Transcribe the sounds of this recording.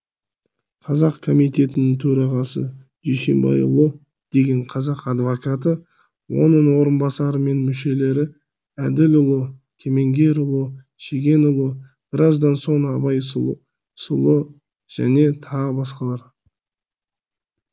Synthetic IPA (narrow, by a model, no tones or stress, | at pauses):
qʰɑzɑqkʰo̞mijt̪e̞t̪ɪnɪŋt̪ʰɵɾɑʁɑsə̰d̪̥ɵjse̞̰mbɑ̰jʊ̰lˠə | d̪̥e̞ɡʲe̞ɴqʰɑzɑqɑd̪vokat̪̬ə | wo̞̰nəɴwo̞ɾənbɑsɑɾəme̞nmʏʃe̞le̞ɾɪ | æd̪ɪlʊlˠət̪ʲʰe̞me̞ŋɡʲe̞ɾʊlˠə | ʃe̞ɡʲe̞nʊlˠə | b̥ɪɾɑzd̪ɑnso̞ɴɑbɑj | sʊlˠə | ʒ̥æ̰ne̞t̪ʰɑəbɑsqɑlˠɑɾ